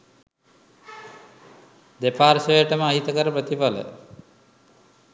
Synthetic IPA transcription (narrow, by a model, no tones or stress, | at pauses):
d̪epaːɾsəjəʈəməaɦit̪əkəɾəpɾət̪ipalə̰